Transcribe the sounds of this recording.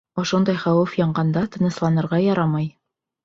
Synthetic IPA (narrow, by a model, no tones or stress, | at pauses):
ŏʃond̪ɑjχæwɘfjɑɴɢɑnd̪ɑt̪ɤ̆nɤ̆slˠɑnɤ̆ɾʁɑjɒɾɑmɑj